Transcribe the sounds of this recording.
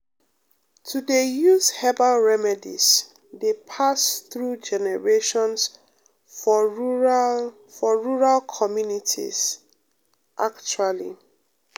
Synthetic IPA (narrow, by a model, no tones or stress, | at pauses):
tʰudejuzhɛbaɹɛmɛdḭz̥ | depʰasθɹud͡ʒɛnɛɹeʃɔ̃ns | fɔ | fɔɹuɹalkʰɔmjunitʰḭz | ʔakt͡ʃualḭ